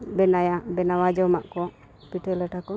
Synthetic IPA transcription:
bɛnajabɛnawad͡ʒɔmaʔkɔ | piʈələʈakɔ

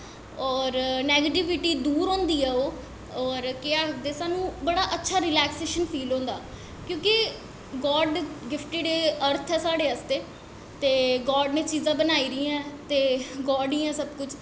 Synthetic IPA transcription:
ɔːɾnɛːɡeʈɪʋɪʈiːd̪uːɾɦõːnd̪iːɛːoː | ɔːɾkɪaːd̪eːsaːnũːbəɽaːʔətːʃʰaːɾɪlɛːkseːʃənfʰiːlõːnd̪aː | kjõːkɪ | ɡɔːɖɡɪfʰʈiːɖeːəɾt̪ʰɛːsaːɽeːəst̪eː | t̪eːɡɔːɖnẽːt͡ʃiːzãːbənaːiːɾĩːɛ̃ːt̪eːɡɔːɖĩːɛ̃ːsəbkʊt͡ʃʰ

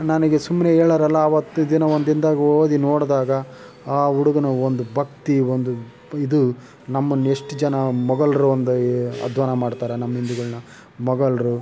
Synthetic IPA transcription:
nɐnɐɡesumːneeːɭɐɾɐlːɐːʋɐt̪ːud̪inɐond̪ind̪aːɡoːd̪inoːɽd̪aːɡɐ | aːuɽuɡɐnɐond̪ubʱɐkt̪iond̪u | id̪u | nɐmːɐnːueʂʈd͡ʒɐnɐmɐɡɐɭɐɾuɐnd̪ɐɐ̰d̪ʋaːnɐmaːɖt̪aːɾenɐmːɐɦind̪uɡɐɭinɐ | mɐɡɐɭɐɾu

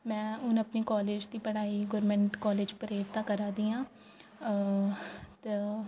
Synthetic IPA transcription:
mɛ̃ːʊnəpniːkɔːleːd͡ʒd̪iːpəɽaːiːɡʊɾmɛ̃ɳʈkɔːleːd͡ʒpəɾeːʈt̪ãːkəɾaːd̪iːãː | t̪e

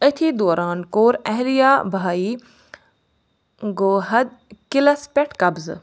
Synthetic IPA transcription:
ət̪ʰiːd̪oːɾaːnkoːɾɐɦɾijaːbʱaːiː | ɡoːɦɐd̪̚kɪlɐspʲeʈkɐbz

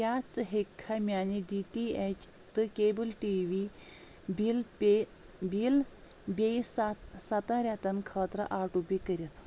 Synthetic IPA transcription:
jat͡sɦekʰːamjaniɖiʈiet͡ɕ | t̪ɨkebəlʈiʋi | bilpe | bil | besat̪sɐt̪ãɾjat̪ɐnkʰəːt̪ɾə̰ʔaɾʈupikəɾit̪

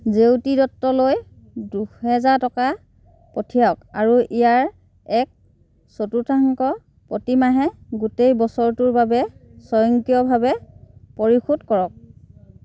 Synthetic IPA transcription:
zewtidɔtːɔloj | duhɛzaɹtɔka | potʰijaɔka̰ɹuʔijaɹ | ɛk̚ | sotutʰaŋkɔ | potimaɦɛɡutejbɔsɔɹtʊɹbabɛsɔjɔŋkijɔbʱabɛpoɹixudkɔɹɔk̚

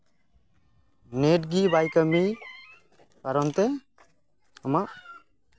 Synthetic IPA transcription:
neʈ̚ɡibajkəmi | paɾɔnt̪ɛ | ɔmaʔ

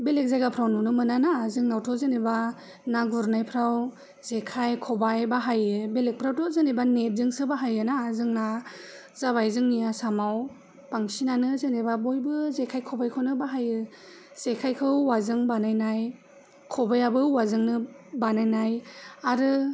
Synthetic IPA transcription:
belek̚zajɡapʰɾawnunɯmɯnanazɯŋnawtʰɔzɯniba | naɡuɾnajpʰɾaw | zekʰajkʰɔbajbaɦajɯbelek̚pʰɾawtɔzɯnibanet̚zɯŋsɯbaɦajɯnazɯŋna | zaβajzɯŋnijasamaw | paŋsinanɯzɯnebabojbɯzekʰajkʰɔbajkʰɯnɯbaɦajɯ | z̥ekʰajkʰɯwwazɯŋbanajnaj | kʰɔbajabɯwazɯŋnɯbanajnajaɾɯ

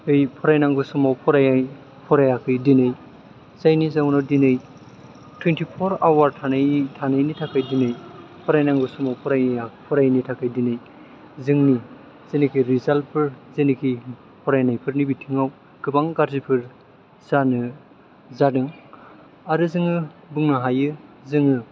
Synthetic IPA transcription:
ɯjpʰɔɾajnaŋɡɯsumawpʰɔɾajaj | pʰɔɾajakʰɯjdinaj | zajnizawnawdinɯj | tʰwentipʰɔɾawaɾtʰanajtʰanajnitʰakʰajdinɯjpʰɔɾajnaŋɡɯsumawpʰɔɾajapʰɔɾajnitʰakʰajdinɯj | zɯŋni | z̥enikʰiɾizalpʰɯɾzenikʰi | pʰɔɾajnajpʰɯɾnibitʰiŋaw | ɡ̥ɯbaŋɡaɾzipʰɯɾ | zanɯ | zadɯŋ | aɾɯzɯŋɯbɯŋnaɦajɯzɯŋɯ

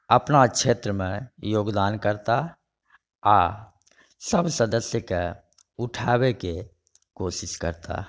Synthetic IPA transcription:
əpnakʃeːt̪ɾəmẽjoːɡd̪aːnkəɾt̪a | aː | səbsəd̪əsjəke | ʊʈʰaːweke | koːsɪskə̰ɾt̪a̰

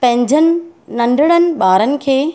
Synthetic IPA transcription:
pɐ̃ɦɪ̃ɲd͡ʑənɪ̆nɐ̃ɳɖʱɪɽ̃ənɪ̆ɓaːɾənɪ̆kʰeː

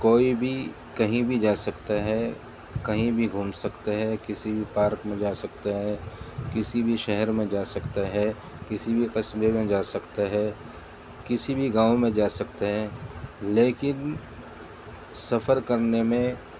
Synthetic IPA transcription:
koːibʱi | kɐɦĩbʱid͡ʒaːsɐkt̪aɦɛ | kɐɦĩbʱiɡʱuːmsɐkt̪aɦɛkɪsibʱipaːɾkmẽd͡ʒaːsɐkt̪aɦɛkɪsibʱiʃɛɦɛɾmẽd͡ʒaːsɐkt̪aɦɛ | kɪsibʱiqɐsbemẽd͡ʒaːsɐkt̪aɦɛː | kɪsibʱiɡãːomẽd͡ʒaːsɐkt̪aɦɛːleːkɪn | sɐfəɾkɐɾnemẽ

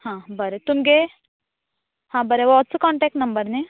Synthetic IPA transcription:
hãːbəɾet̪umɡe | hãːbɐɾeʋɔtsukɔ̃ːɳʈeːk̚ʈnɐmbəɾne

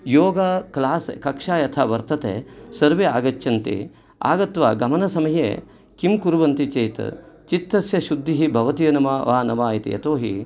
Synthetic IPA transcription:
joːɡaːklaːskɐkʂaːjɐt̪ʰa̰ːʋɐɾt̪ɐt̪ḛːsɐɾʋeaːɡɐt͡ʃːɐnt̪ḭ | a̰ːɡɐt̪ʋa̰ːɡɐmɐnɐsɐmɐjḛː | kimkuɾʋɐnt̪it͡ʃeːjt̪ɐ̰ | t͡ʃit̪ːɐsjɐʃud̪ʱːiɦibʱɐʋɐt̪ijɐnɐmɐʋaːnɐʋaːjit̪ḭjɐ̰t̪oːɦi

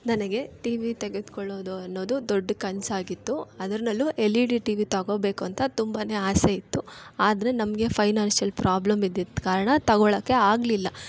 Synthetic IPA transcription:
nɐnɐɡe̞ʈiːʋit̪eɡed̪kɔɭːo̞ːd̪uɐnːo̞ːd̪ud̪oɖːkɐɲsaːɡit̪ːuɐd̪ɐɾinɐlːuʔelːiɖiʈiːʋit̪ɐɡo̞ːbe̞ːkuɐnt̪ʰɐt̪umbane̞ːaːseit̪ːuaːd̪ɐɾenɐmɐɡe̞pʰɐjnaːnsijɐlpɾʔaːblɐmid̪ːit̪ːkaːɾɐɳɐt̪ɐɡoɭɐkːe̞aːɡlilːɐ

